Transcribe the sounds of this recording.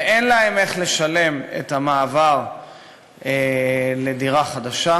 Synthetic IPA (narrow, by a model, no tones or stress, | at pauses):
ʔenlae̞me̞χle̞ʃale̞mḛthamaːvaʁ | ele̞diʁaχad̪aʃa